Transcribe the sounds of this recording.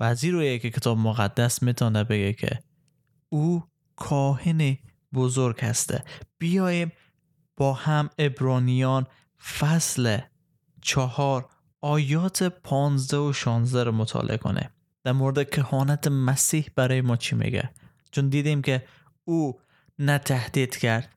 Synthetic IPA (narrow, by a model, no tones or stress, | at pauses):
væːziɾojekekʰet̪ʰɒːbmoɣæd̪ːæsmit̪ʰɒːnæbeɡekʰḛ | u | kʰɒːheni | bozoɾɡhæst̪ʰæ̰b̥ijɒːjem | b̥ɒːhæmebɾɒːnijɒn | fæsle | t͡ʃʰɒhɒɾ | ɒːjɒːt̪ʰepʰɒnzd̪æoʃɔnzd̪æɾɔmot̪ʰɒ̰lʔḛʔkʰo̰nḛ | d̪̥æɾmoɾed̪ekʰehɒːnæt̪ʰemæsiːhb̥æɾɒːjemɒːt͡ʃʰimḛɡæ̰ | t͡ʃʰond̪iːd̪imkʰe | u | næt̪ʰæhd̪id̪̥kʰæɾd̪̥